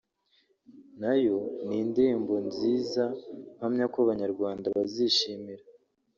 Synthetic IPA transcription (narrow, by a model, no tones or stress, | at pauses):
najo̞niːndembo̞nziːzam̥hamɲakoβaɲaɾɡwaːndaβaziʃiːmiɾa